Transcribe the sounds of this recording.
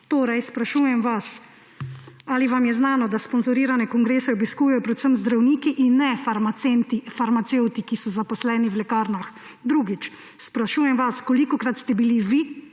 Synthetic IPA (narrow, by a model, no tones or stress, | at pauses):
t̪oːɾajspɾaʃuːjɛmʋas | aːliʋamjɛznaːnɔd̪aspɔnzɔɾiːɾanɛkɔŋɡɾeːsɛɔbiskuːjɛjɔpɾɛt̪səmzd̪ɾawniːkiʔinːɛfaɾmasent̪ifaɾmat̪sewt̪ikisɔzapɔslɛːniwlɛkaːɾnax | d̪ɾuɡit͡ʃ | spɾaʃuːjɛmʋaskɔlikɔkɾat̪st̪ɛbiliʋi